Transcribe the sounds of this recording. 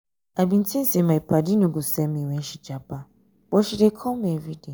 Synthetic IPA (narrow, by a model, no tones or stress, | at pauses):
abin̩tʰisimãipadinũɡusɛmĩwɛ̃ʃid͡ʒapa | b̥ɔʃiɾɛkʰɔmɛvidi